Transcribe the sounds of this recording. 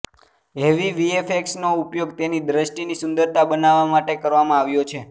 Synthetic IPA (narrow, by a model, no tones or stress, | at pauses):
ɦeʋiʋiefʰeksnoupjoɡt̪enid̪ɾəʃʈinisʊnd̪əɾt̪ʰabənaʋamaʈekəɾʋamãaʋjot͡ʃʰe